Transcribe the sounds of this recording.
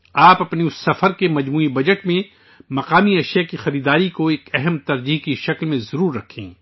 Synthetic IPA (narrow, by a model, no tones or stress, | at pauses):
aːpɐpneʊsːɐfəɾkemɐd͡ʒmuːibɐd͡ʒəʈmẽ | mɐqaːmiɐʃjakixɐɾiːd̪aːɾikoeːkɛɦɛmt̪ɐɾd͡ʒiːɦkiʃɐklmẽzɐɾuːɾːɐkʰḛ̃ː